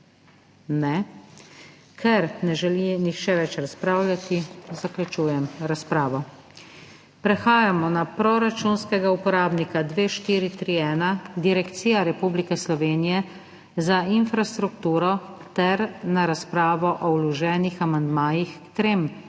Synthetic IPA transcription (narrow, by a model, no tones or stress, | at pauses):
nɛ | kʰɛɾnɛʒɛlinixt͡ʃɛʋɛt͡ʃɾaspɾaːwlʲjʲat̪izaklʲut͡ʃuːjɛmɾaspɾaːʋɔ | pɾɛxaːjamɔnapɾɔɾat͡ʃunskɛɡaupɔɾaːbnikad̪ʋeːʃt̪iːɾit̪ɾiːɛːnad̪iɾɛkt̪siːjaɾɛpublikɛslɔʋeːnijɛ | zainfɾast̪ɾukt̪uːɾɔt̪ɛɾnaɾaspɾaːʋɔʔɔwlɔʒɛːnixamand̪maːjixkt̪ɾeːm